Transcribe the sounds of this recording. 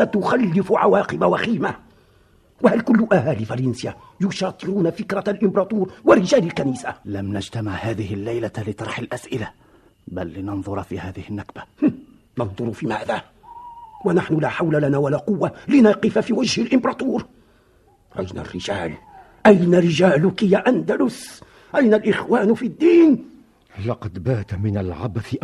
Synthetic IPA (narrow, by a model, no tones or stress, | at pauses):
ɑt̪ːʊxalːɪfʕa̰wɑːqɨbawaxiːma | wahalkʊlːʊʔahaːlɪfaɾˤɑnsja | jʊʃɑːt̪ˤɨɾuːnafɪkɾˤalʔɪmbɾˤɑːt̪ˤuːɾwɪɾɪd͡ʒaːlɪlkaniːsalamnad͡ʒt̪amɪʕhaːðɪhɪlːajlalɪt̪ˤɑɾˤħalʔasʔɪla | balːɪnɑnðˤʊɾˤfiːhaːðɪhɪnːakba | nɑnðˤʊɾfiːmaːðaː | wanaħnʊlaːħawlalanaːwalaːqʊwːalɪnɑːqɪfafiːwad͡ʒhɪlʔɪmbɾˤɑːt̪uːɾ | ɾˤʔɑ̰jna̰rːɪ̰d͡ʒaːl | ʔajnaɾɪd͡ʒaːlʊkɪjaʔand̪alʊs | ʔajnalʔɪxwaːnfid̪ːiːn | lɑqɑd̪baːt̪mɪnalʕa̰baθɪ